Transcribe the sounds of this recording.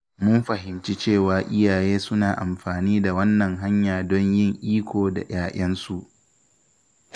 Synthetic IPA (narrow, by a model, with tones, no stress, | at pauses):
mʊ˦mɸɐ˨ɦɪ˨mt͡ʃi˦t͡ʃeː˦˨waː˨ʔɪ˦jaː˨jeː˦sʊ˦naː˨ʔa˨mɸaː˨niː˦da˨wɐ˦nːɐ˨ŋɦa˦ɲjaː˨dɔ˦ɲjɪ˦ŋʔiː˦kʷʰoː˨da̰˨jaː˨ʔɐ˦nsu˦ʔ